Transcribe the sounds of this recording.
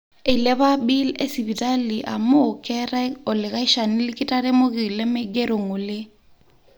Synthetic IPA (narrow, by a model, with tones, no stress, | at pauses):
e˨i˨lɛ˦βa˦bi˦lḛ˦si˨bi˨ta˦li˨ʔa̰˨mo˦kɛ˦ɾa˦ɔ˨lɪ˨ka˦i˦ʃa˨ni˦lɪ˦kɪ˦ta˦ɾɛ˦mo˦kɪ˨i˨lɛ˦mɛ˦ɡɛ˦ɾo˨ŋo˨lɪ˦